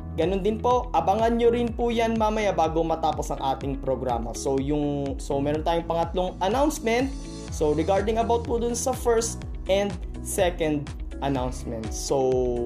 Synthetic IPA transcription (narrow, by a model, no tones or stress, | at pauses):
ɡɐnond̪ɪnpo̞ʔʔɐbɐŋɐnɲoɾɪnpujanmaːmɐjabaːɡomɐt̪aːpo̞sɐŋʔaːt̪ɪŋpɾoɡɾa̰ːmɐ̰so̞jʊŋsomɛːɾont̪aːjʊŋpɐŋɐt̪loŋʔɐnawnsmɛnt̪̚ | soɾɛɡaɹd̪ɪŋɐbawt̪̚pod̪ʊnsɐfɛɹst̪ | ʔɛnd̪̚ | sɛkɛnd̪̚ | ʔɐnawnsmɛnt̪̚sow